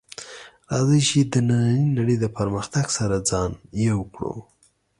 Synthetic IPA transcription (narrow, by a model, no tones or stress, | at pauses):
ɾɑzəʃid̪ənananinaɽəjd̪əpəɾməxt̪aɡsaɾad͡zɑnjewkɽo̰